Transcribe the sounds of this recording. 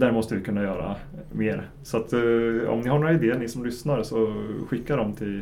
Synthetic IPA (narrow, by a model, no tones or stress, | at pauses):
d̪æɾmɔst̪əvɪkʰɵnːajœːɾa̰ | meːɾ | sɔat̪ɔ̰mnɪhaɳoːɾaɪd̪eːəɳɪsɔmlʏsnaɾsɔɧɪkːad̪ɔmt̪ʰɪl